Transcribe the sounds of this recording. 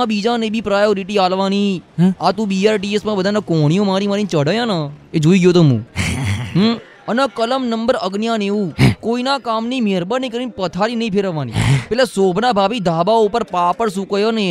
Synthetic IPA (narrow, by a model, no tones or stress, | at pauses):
ãbiːd͡ʒãnẽbʱiːpɾaːjoɾiʈiaːlʋaniːat̪ũːbiaːɾʈiesmãbəd̪ʱaːnakoɽ̃ijõmaɾĩmaːɾĩt͡ʃəɽəjãːnaed͡ʒoːiɡjoːt̪̬oɦṵ̃ːɦ | ənəkələmnəmbəɾəɡnjãːneʋũːkoːinakaːmnĩmeɾbəɾnĩkəɾinipət̪ʰaɾinəɦĩpʰeːɾəʋaːnḭːpɛːlesoːbʱnaːbʱaːbid̪ʱaːbaupəɾpapəɽsukəjone